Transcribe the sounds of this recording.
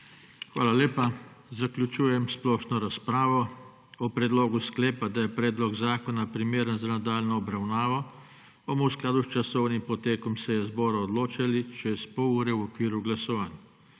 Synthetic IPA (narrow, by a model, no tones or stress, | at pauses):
xʋaːlalʲeːpazaklʲut͡ʃuːjɛmsplɔʃnɔɾaspɾaːʋɔ | ɔpɾɛd̪loːɡusklɛːpad̪ajɛpɾɛːd̪lɔɡzaːkɔnapɾimeːɾənzanad̪aːlnɔːbɾawnaːʋɔ | ɔmɔwsklaːd̪ust͡ʃasɔwnimpɔt̪eːkɔmsɛjɛzbɔːɾaɔd̪loːt͡ʃalit͡ʃɛspouːɾɛwɔkʋiːɾuɡlasɔʋaːn